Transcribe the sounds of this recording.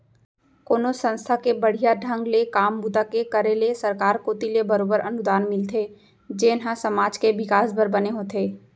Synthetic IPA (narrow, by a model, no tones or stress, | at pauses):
koːnosə̃nst̪ʰakebəɽ̤ijaɖʱə̃ŋɡlekaːmbut̪akekəɾelesəɾkaːɾkoːt̪ilebəɾoːbəɾɐnʊd̪aːnmɪlt̪ʰe | d͡ʒeːnɦãsəmaːd͡ʒkeʋɪkaːsbəɾbəneɦoːt̪eː